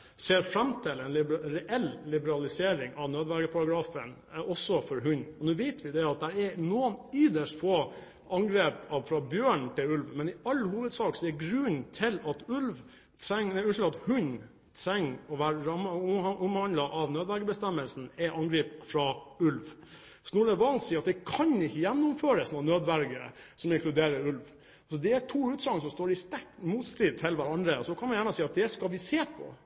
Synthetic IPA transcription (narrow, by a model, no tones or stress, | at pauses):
seːɾfɾɑmt̪ʰɪlɛnlɪɾɛʔɛllɪbəɾɑlɪseːɾɪŋɑʋnøːd̪ʋæɾɡəpʰɑɾɑɡɾɑːfən | ɔsːɔfɔɾɦʉɲɔnʉːʋɛɪt̪ʰʋɪd̪ɛɑt̪̚d̪æɾɛnoːənʏd̪əʂt̪foː | ʔɑŋɡɾeːpɑʋfɾɑbjøːɳt̪ʰɪlʉlʋmɛnɪɑlːhuːʋəd̪sɑːksɔɛɡɾʉnt̪ʰɪlɑt̪ʉlʋ | t̪ʰɾɛŋnɛʉnʂlɑt̪hʉɲ | t̪ʰɾɛŋːɔʋæːɾɾɑmːʔʊmhɑnd̪lɑʔɑʋnøːd̪ʋæɾɡəbəst̪ɛmːəlsn̩ɛʔɑŋɡɾiːpfɾɑʉlʋ | snuːləɛʋɑlt̪siːɑt̪̚d̪ɛkʰɑnɪçːəjænːʊmføːɾəsnɔːnøːd̪ʋæɾɡəsɔmɪŋkʰlʉd̪eːɾəɾʉlʋ | sɔd̪ɛæʈʰuːʉːt̪sɑŋːsɔmst̪oːɾɪst̪æʈmuːt̪st̪iːt̪ʰɪlʋæɾɑnd̪ɾəɔsɔkʰɑnmɑnjæːɳəsiːɑt̪̚d̪ɛskɑlʋɪseːpʰɔ̰